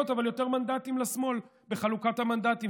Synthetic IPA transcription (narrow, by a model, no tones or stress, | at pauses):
otavaljo̞te̞ʁmand̪atimlasmo̞l | be̞χalukathamand̪at̪i